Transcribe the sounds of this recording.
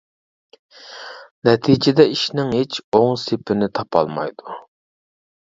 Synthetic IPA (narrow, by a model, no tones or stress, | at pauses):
nɛt̪ʰid͡ʒɪd̪ɛiʃnɪŋɦet͡ʃoŋsepɪnɪt̪ʰɑpʰɑ̰lˠmɑ̰jd̪u